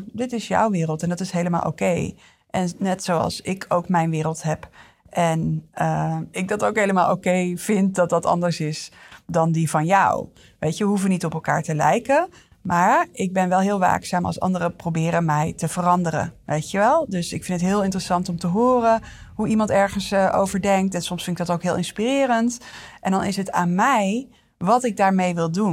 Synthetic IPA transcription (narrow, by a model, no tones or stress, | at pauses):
dɪtɪsjɔ̰wʋɪːrəlˠtɛndɑtɪsɦejləma̰ːlˠʔo̰kej | ʔɛnnɛtsowɑ̰lˠsɪkʰowkmɛjnʋɪːɾəlˠtɦɛp | ʔɛnəɪk̚dɑtowkɦejləmaːlˠʔo̰kejv̥ɪnt̚dɑt̚dɑtɑ̰ndəɹsɪsdɑndivɑnjʌ̰w | ʋejtjəʋəɦufənitɔpɛlˠka̰ːɹtəlɛ̰jkə | maːɹʔɪɡ̚bɛnʋɛlˠɦɪːlˠʋa̰ːksaːmɑ̰lˠsɑ̰ndərəprowbɪːɾənmɛjtəv̥ərɑndərə̰nʋʔejtjəʋɛlˠdɵsɪkfɪndətɦɪːlˠɪntrəsɑntɔmtəɦʊːrə | ɦuimɑntɛɹχənsʔo̰wvəɹdɛŋk̚tɛnsɔmsfɪndɪɡ̚dɑtowkɦɪːlˠɪnspirɪːɾəntʔɛndɑnɪsɦətaːnmɛj | ʋɑtɪɡ̚daːɹmejʋɪlˠdun